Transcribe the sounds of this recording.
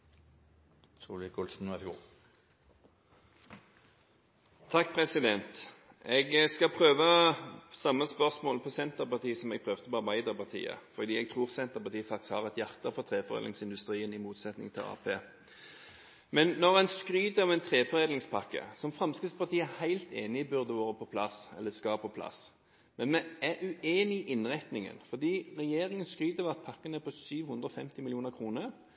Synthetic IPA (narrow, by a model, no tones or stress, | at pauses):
suːlɪkʊlsn̩ʋæɡuː | t̪ʰɑk̚ːpʰʁɛsɪd̪ɛnt̪ | ɛɡskɑpʰʁøːʋəsɑmːəspœʁsmoːləpʰɔsɛnt̪əʁpɑʁt̪ʰiːəsɔmɛɡ̚pʰʁøːʋt̪əpɔɑʁbæɪd̪əʁpɑʁt̪ʰḭːə̰fɔd̪iːɛɡ̚t̪ʰʁuːʁsɛnt̪əʁpɑʁt̪iːəfɑk̚t̪ɪskhɑ̰ʁɛt̪jæʁt̪əfɔʁt̪ʰʁeːfɔʁḛd̪lɪŋsɪnd̪ʉst̪ʁiːənɪmuːt̪sɛt̪nɪ̰ŋt̪ʰɪlɑ̰ːpʰeː | mɛnːɔʁɛnskɾyːd̪əɑʋɛɪnt̪ʰʁeːfɔʁeːd̪lɪŋspʰɑkːə̰sɔmfʁɑmskəspɑʁt̪ʰiːəæhæɪlt̪ʰeːnɪɪbʉʁd̪əʋoːʁəpʰɔpʰlɑsɛ̰lːəskɑpʰɔpʰlɑ̰s | mɛnmɛæʉeːnɪʔɪnʁɛt̪nɪŋə̰nfɔd̪iːʁɛjeːɾɪŋənskʁyːd̪əʋɑt̪̚pʰɑkːənəpʰɔsyːʋhʉnd̪ʁɔfɛmt̪ɪmɪljuːnəkʰʁuːnəʁ